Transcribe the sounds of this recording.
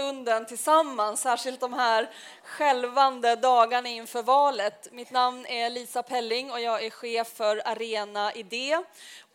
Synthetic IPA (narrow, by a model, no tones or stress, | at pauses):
ɵnd̪ənt̪ʰɪlsamːansːæːʂɪlt̪̚d̪ɔmɦæɾ | ɧɛlvand̪əd̪ɑːɡaɳaɪnfœːɾvɑːlət̪mɪt̪namnæɭiːsapʰɛlːɪŋːɔjɑːɡæɧeːfːœɾaɾeːnaʔɪd̪eː